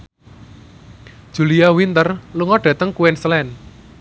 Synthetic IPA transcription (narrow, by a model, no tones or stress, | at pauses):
d̥ʒ̥ṳliawint̪ərluŋɔɖ̥a̤t̪əŋkuwɛnslɛn